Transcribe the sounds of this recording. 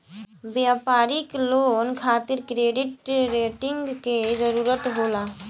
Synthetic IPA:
bjaːpaːɾikloːnkʰaːt̪ɪɾkɾeːɖɪʈɾeːʈɪŋɡked͡ʒəɾuːɾət̪ɦoːlaː

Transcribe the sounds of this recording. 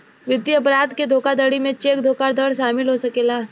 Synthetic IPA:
ʋɪd̪jəpɾaːt̪ked̪ʱoːkad̪əɽimẽt͡ʃeːkd̪ʱoːkaɾd̪ʱəɽʃaːmɪlɦosɐkeːlaː

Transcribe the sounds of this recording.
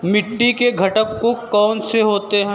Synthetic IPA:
mɪʈːikeɡʱɐʈəkːokɔːnseɦoːt̪eɦɛ̃

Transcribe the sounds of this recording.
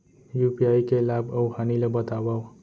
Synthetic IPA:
jupiajkelabəwɦanilebət̪aʋaw

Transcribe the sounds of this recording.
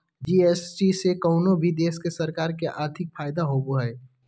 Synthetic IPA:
d͡ʒiːesʈisekɐːʊnobʱid̪eːskesɐɾkaːɾkeʔaːɾt̪ʰɪk̚faːɪd̪aɦoːboɦɛː

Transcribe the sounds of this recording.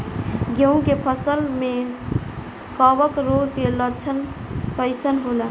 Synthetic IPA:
ɡeũkepʰəsəlme | kɔbəkɾoɡkelət͡ʃʰənkəɪsənɦola

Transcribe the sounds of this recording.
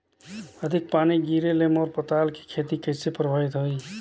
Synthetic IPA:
əd̪ʱik̚paniɡiɾelemɔɾpət̪alke̥kʰet̪ikəsepɾəbʱəjt̪ɦoj

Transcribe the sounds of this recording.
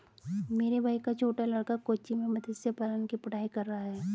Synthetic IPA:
meːɾebʱaːikat͡ʃʰoːʈalɐɽkakoːt͡ʃimẽmɐd̪ʱəd͡ʒ̪sepaːlənkipɐɽ̤aːikɐɾːaɦaɦɛː

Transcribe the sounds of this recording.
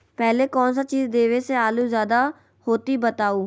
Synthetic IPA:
pɛːleːkɔːnsaːt͡ʃiːzd̪eːʋeːseaːluːzjaːd̪aː | hoːt̪iːbət̪aːuː

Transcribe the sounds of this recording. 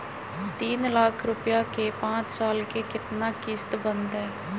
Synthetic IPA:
t̪iːnlaːkʰɾʊpjaːkeːpãːt͡ʃsaːlkeːkɪt̪naːkɪst̪bənd̪ɦɛː

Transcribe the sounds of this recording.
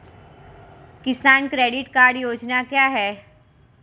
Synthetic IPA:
kɪsaːnkɾeːɖɪʈkaːɾɖjoːd͡ʒnakjaːɦɛː

